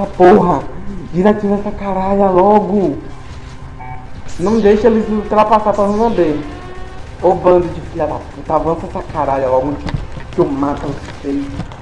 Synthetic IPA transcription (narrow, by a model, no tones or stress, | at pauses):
sɐpoɦɐd͡ʒiɾɐkĩvɛsakaɾaʎɐlɔɡʊ | nɐ̃w̃d̪ejʃɐelɪzut̪ɾapasapɾɐnɐ̃nɐ̃b̪e | obɐ̃d̪ɐd͡ʒɪfiʎɐd̪aput̪ɐavɐ̃sɐsakaɾaʎɐlɔɡʊd͡ʒikomat̪ɐʊsfej